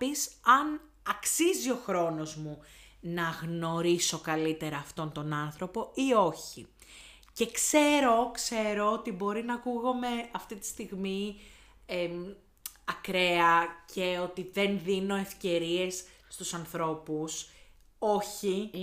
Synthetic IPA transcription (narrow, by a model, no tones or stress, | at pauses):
isɐn | ɐksizio̞xɾo̞no̞zmu | nɐɣno̞ɾiso̞kɐlit̪e̞ɾɐːft̪o̞nt̪o̞nɐnθɾo̞po̞io̞çi | ce̞kse̞ɾo̞kse̞ɾo̞ot̪ibo̞ɾinɐːkuɣome̞ɐft̪it̪i̥st̪iɣmi | e | ɐkɾe̞ɐcʰe̞o̞t̪iðe̞nðino̞e̞fce̞ɾie̞sː | t̪usɐnθɾo̞pus | o̞çi